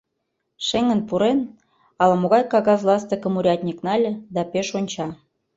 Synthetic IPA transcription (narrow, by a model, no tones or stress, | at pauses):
ʃeŋə̆npuɾen | ɑlɑmoɣɑjkɑɣɑzlˠɑst̪ə̆kə̆muɾʲɑt̪ʲnʲiknɑlʲə̆d̪ɑpeʃonʲt͡ɕɑ